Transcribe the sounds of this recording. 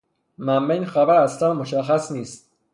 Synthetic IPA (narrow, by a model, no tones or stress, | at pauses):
mæmːejnxæbæɾæslænmoʃæxːæsniːst̪̚